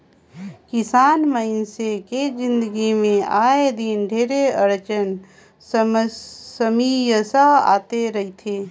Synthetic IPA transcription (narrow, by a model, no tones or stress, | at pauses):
kɪsaːnməɪnseked͡ʒɪ̃nd̪əɡimẽaːed̪ɪnɖʱeːɾeəɾt͡ʃən | s | səmijəsaa̰ːt̪eɾɐɦit̪ʰeː